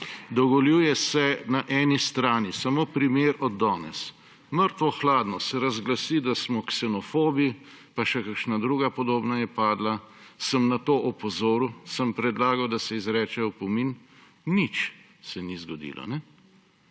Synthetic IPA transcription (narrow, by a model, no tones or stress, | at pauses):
d̪ɔɡɔljuːjɛsɛnaʔɛːnist̪ɾaːnisamopɾimeːɾɔd̪ːɔːnɛ̰s | məɾt̪ʋɔxlaːd̪nɔsɛɾazɡlasid̪asmɔksɛnɔfoːbi | paʃɛkakʃnad̪ɾuːɡapɔd̪oːbnajɛpaːd̪la | səmnat̪oːʔɔpɔzoːɾusəmpɾɛd̪laːɡawd̪asɛizɾɛːt͡ʃɛjɔpɔminː | it͡ʃ | sɛnizɡɔd̪ḭːlʔɔ̰nɛ